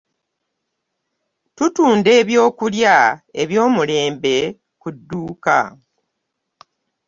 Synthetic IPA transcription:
tutuːnde̞ːβjo̞ːkuljae̞βjo̞ːmule̞ːmbe̞ | kudːuːka̰

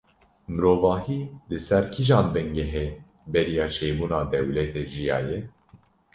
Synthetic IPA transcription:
mɨɾoːvɑːhiːlɨsɛɾkʰiʒɑːnbɛŋɡɛɦeː | bɛɾijɑːʃɛjbuːnɑːd̪ɛwlɛt̪ʰeːʒijɑ̰ːjɛ

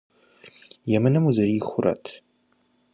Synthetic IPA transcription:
jɛmɨnɨmuzɐɾiːxʷʊrʔɐ̰tʰ

